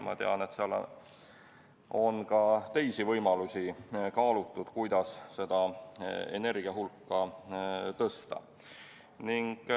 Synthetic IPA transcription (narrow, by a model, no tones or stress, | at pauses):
mʔɑ̰t̪e̞̰ɑ̰ne̞t̪seɑl̰ː | o̞nkɑt̪e̞jsivɤjmɑlusʲikɑːlut̪ːˑud̪̥kujd̪̥ɑsse̞d̪ɑ | e̞̰ne̞rɡ̥iɑɦulkːɑ | t̪ɤst̪ɑ̰ | niŋɡ̥